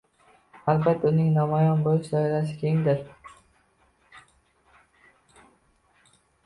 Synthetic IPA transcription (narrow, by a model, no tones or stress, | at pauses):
albat̪ʰːʊnɪŋnɒmɒjɒnbolɪʃd̪ɒjlaʃ̬ɪ̥kʲʰeŋd̪ɪɾ